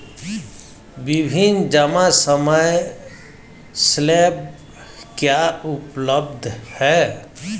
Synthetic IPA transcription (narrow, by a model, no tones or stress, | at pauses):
bɪbʱɪnd͡ʒəmasəməj | sleːb̚ | kjaʊpləbd̪ʱhɛː